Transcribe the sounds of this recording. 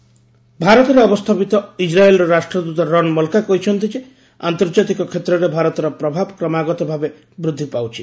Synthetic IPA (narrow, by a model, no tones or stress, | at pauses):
bʱaɾɔt̪ɔɾeɔbɔst̪ʰapit̪ɔid͡ʒɾaelɾɔɾaʃʈɾɔd̪ut̪ɔɾɔnmɔlkakoɦjt͡ʃʰɔnt̪id͡ʒe | a̰nt̪ɔɾd͡ʒat̪ikɔkʰet̪ɾɔɾebʱaɾɔt̪ɔɾɔpɾɔbʱabkɾɔmaɡɔt̪ɔbʱabe | bɾud̪ʱːipawt͡ʃʰi